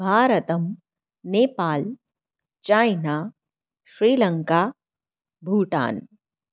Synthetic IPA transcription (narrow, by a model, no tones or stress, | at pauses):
bʱaːɾət̪əm | neːpaːl | t͡ʃaːɪnaː | ʃɾiːləŋkaː | bʱuːʈa̰ːn